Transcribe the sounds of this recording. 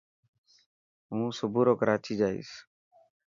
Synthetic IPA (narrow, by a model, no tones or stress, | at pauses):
ɦũːsʊbuːɾoːkəɾaːt͡ʃʰiːd͡ʒaːḭːs